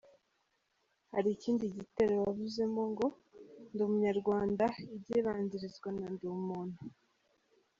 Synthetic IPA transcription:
haɾiːciːndiɟite̞ɾowaβuze̞mo̞ŋɡo̞ | ndumuɲaɾɡwaːndaibɟeβaːɲɟiɾizɡwanandumun̥u

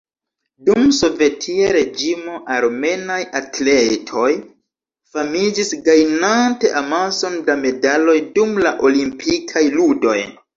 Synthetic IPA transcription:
dumso̞ve̞tʰiaɾe̞d͡ʒimo̞ʔaɾme̞najatle̞tʰo̞j | famid͡ʒisɡajnante̞ʔamaso̞ndame̞dalo̞jdumlaʔo̞limpʰikʰajludo̞̰j

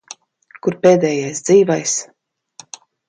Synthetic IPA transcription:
kuɾpeːd̪ɛːjajsd̪ziːvajs

